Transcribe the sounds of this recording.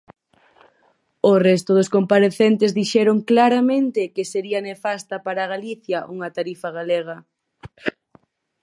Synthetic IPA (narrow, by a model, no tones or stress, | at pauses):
orɛst̪ʊðʊskompaɾeθent̪ezðiʃɛɾoŋklaɾamẽnt̪ɪkɪseɾiɐnefast̪ɐpaɾaɣaliθjɐʔuŋɐt̪aɾifɐɣaleɣɐ